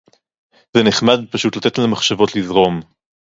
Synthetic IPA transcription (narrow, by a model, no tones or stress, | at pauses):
zeneχmadpaʃutlat̪etlemaχʃavo̞tlizʁo̞m